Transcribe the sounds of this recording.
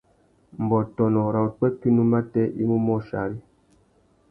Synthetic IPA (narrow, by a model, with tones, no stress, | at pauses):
m̩˨bɔ˨tɔ˨nɔ˨ɾa˨u˨k͡pɛ˦ki˦nu˦ma˦tɛ˦ʔḭ˦mu˦mɔ˦ʃa̰˨ɾi˦